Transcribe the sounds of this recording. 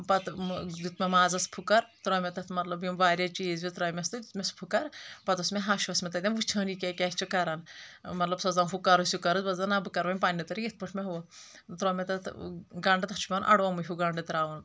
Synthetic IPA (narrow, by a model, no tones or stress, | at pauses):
pɐt̪d̪ut̪mʲemaːzɐspʰukɐɾt̪ɾoːmʲet̪ɐt̪ʰmɐt̪lɐbjimʋaːɾʲɐt͡ʃiːzʋʲit̪ɾoːmʲɐst̪ɨd̪ut̪mʲespʰukɐɾpɐt̪osmeɦaːʃʋɐsmʲet̪ɐd̪ʲɐnʋut͡ʃʰɐːnikʲekʲɛst͡ʃʰikɐɾɐnmɐt̪lɐbsɐzɐnɦukɐɾɐsjukɐɾɨzbɐzɐnɐbɨkɐɾʋɐnʲpaːnʲːit̪ɐɾijit̪̚ʰpɐʈʰmeɦuʋɐ | t̪ɾoːmʲet̪ɐt̪ʰɡɐɳɖt̪ɐt͡ʃʰu̥mʲɐnʔɐ̰ɽʋɐmuɦʲuɡɐɳɖɨt̪ɾaːʋɐn